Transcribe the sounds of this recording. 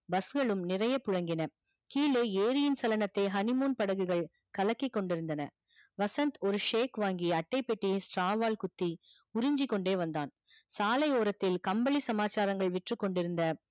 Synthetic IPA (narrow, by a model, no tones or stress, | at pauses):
bɐsɣɐɭɯmnɪrɐjɐpʊɻɐŋɡɪnɐ | kiːleːeːɾɪjɪnsɐlɐnɐt̪ːeɦɐnɪmoːnpɐɽɐɣɯɣɐɭ | kɐlɐkːɪkːɔɳɖɪɾɯnd̪ɐnɐ̰ | ʋɐsɐnt̪ɔɾɯʂeːkʋaːŋɡiɐʈːɐɪpːɛʈːijesʈɾaːʋaːlkʊt̪ːi | ʊɾɪɲd͡ʒɪkːɔɳɖeːʋɐnd̪aːn | saːlɐɪoːɾɐt̪ːɪlkɐmbɐɭisɐmaːt͡ʃːaːɾɐŋɡɐɭʋɛʈrɯkːɔɳɖɪɾɯnd̪ɐ